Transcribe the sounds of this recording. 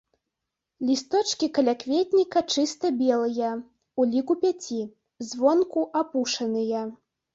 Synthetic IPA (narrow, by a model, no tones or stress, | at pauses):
lʲist̪ɔt͡ʂkʲikɐlʲakvʲet̪̚ʲnʲikɐt͡ʂɨst̪ɐbʲɛlˠɨjɐ | ulʲikupʲat͡sʲi | zvɔnkuʔapuʂɐnɨjɐ